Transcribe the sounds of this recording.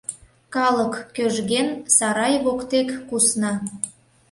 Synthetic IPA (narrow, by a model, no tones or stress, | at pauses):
kɑləkːøʒɣensɑɾɑjβokt̪ekːusnɑ